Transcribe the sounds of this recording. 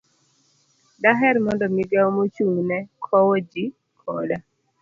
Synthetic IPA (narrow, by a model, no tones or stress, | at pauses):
daɦɛrmɔndɔmiɡaomot͡ʃuŋnɛkʰɔwod͡ʒi | kʰɔla